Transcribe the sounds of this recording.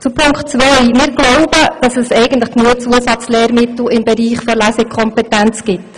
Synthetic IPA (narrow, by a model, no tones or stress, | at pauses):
t͡supʰʊŋktt͡sʋœjmɪːɾɡloʊb̥əd̥ɑsɛsɛɪɡəntləχknuət͡suəsɑt͡slɛːɾmɪtl̩ɪmbɛɾiːχfɔɾlæsɪkʰɔmpɛtænt͡sɡ̥ɪt